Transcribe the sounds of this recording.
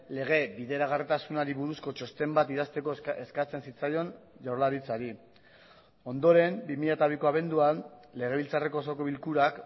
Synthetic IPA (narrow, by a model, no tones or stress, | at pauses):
le̞ɣ̞e̞biðe̞ɾaɣarit̪asunaɾiβuɾusko̞t͡ʃo̞st̪e̞mbat̪ið̞ast̪e̞ko̞e̞skat͡se̞nsit͡sajo̞nʝawɾlaɾit͡saɾi | o̞nd̪o̞ɾe̞mbimiʎat̪aβ̞iko̞aβe̞nd̪uanle̞ɣ̞e̞β̞ilt͡sare̞ko̞soko̞βilkuɾak